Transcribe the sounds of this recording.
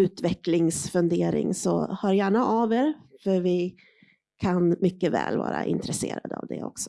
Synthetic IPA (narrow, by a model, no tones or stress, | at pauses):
ʉ̟ːt̪vɛklɪŋsfɵnd̪eːɾɪ̰ŋsɔhœːɾjæːɳaʔaveːɾfœɾvɪ | kʰanmʏkːəvɛːlvɑ̰ːɾaʔɪnt̪ɾɛsḛːɾad̪əavd̪ɛɔksɔ̥